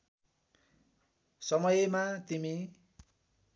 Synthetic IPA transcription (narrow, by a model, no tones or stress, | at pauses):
sʌmʌjemat̪imi